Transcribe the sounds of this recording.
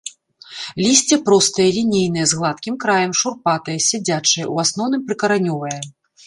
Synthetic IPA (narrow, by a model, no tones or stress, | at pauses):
lʲisʲt͡sʲɛpɾɔst̪ɐjɛlʲinʲejnɨjɛzɣlˠat̪kʲimkɾajɐmʂurpat̪ɐjɐsʲad͡zʲat͡ʂɨjɛ̰uasnɔwnɨmpɾɨkɐɾanʲɔvɐjɛ